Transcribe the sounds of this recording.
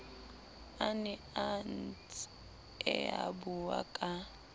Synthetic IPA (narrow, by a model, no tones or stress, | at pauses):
anɪ | ant͡s | ɛa̰bʊwa̰kʼa